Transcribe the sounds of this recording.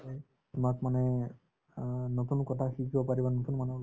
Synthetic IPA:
tʊmakmanɛ | notunkɔtʰaxikʰibɔpaɹibanot̪unmanu

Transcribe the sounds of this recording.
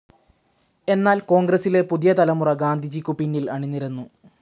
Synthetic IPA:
e̞nːaːlko̞ːŋɡrɐsile̞puðijɐt̪ɐlɐmurɐɡaːnd̪ʱid͡ʑikʲːupinːilɐɳinːiɾenːu

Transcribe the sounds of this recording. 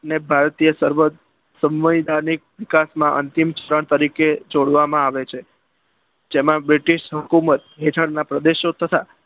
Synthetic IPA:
ənebʱaɾt̪ijəsəɾʋət̪ | səmʋəjd̪anik̚ʋikasmãʔə̰nt̪imt͡ʃəɾəɳ̃t̪əɾiked͡ʒoɽʋamãaʋet͡ʃʰe | d͡ʒemãbɾiʈiʃɦəkumət̪ɦeʈ̪ʰəɽnapɾəd̪eʃot̪ʰət̪a

